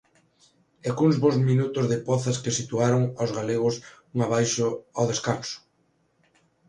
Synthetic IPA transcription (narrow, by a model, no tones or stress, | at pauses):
ekuŋzβozminut̪ʊzðɪpɔθɐskesit̪uaɾʊŋawzɣaleɣʊsuŋaβ̞ajʃʊawðeskansʊ̥